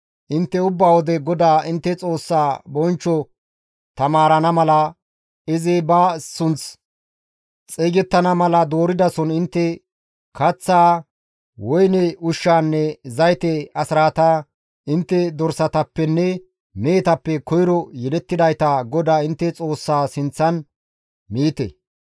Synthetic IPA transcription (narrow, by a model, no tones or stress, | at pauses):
ʔɪnt̪ːɛʊbːaːwɔd̪ɛɡɔd̪aːɪnt̪ːɛt͡sʼo̞ːsːaːbɔnt͡ʃːɔ | t̪ɐmaːɾɐnɐmɐlɐ | ɪzɛbaːsʊnt͡s | t͡sʼeːɡɛt̪ːɐnɐmɐlɐd̪o̞ːɾɪd̪ɐsɔnɪnt̪ːɛ | kɐt͡sːaː | wɔjnɛʊʃːaːnːɛzɐjt̪ɛɐsɾaːt̪a | ɪnt̪ːɛd̪ɔɾsɐt̪ɐpːɛnːɛ | meːt̪ɐpːɛkɔjɪɾɔjɛlɛt̪ːɪd̪ɐjt̪ɐɡɔd̪aːɪnt̪ːɛt͡sʼo̞ːsːaːsɪnt͡sːɐn | miːt̪ɛ̰